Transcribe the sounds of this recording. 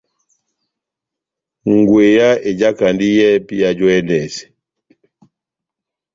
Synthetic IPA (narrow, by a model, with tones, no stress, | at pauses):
ŋ˨ɡwe˨ja˦e˨d͡ʒa˦ka˨ndi˦jɛ˦pi˦ja˨d͡ʒɔ˦ɛ˦ndɛ˨sɛ̥˨